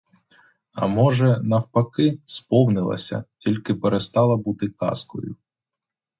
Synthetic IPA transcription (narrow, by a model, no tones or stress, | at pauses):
ɐ̰mɔʒɛnɐwpɐkɪspɔwnɪlˠɐ̰sʲɐ̰tʲilʲkɪpeɾest̪ɑlˠɐbut̪ɪkɑ̰skɔ̰jʊ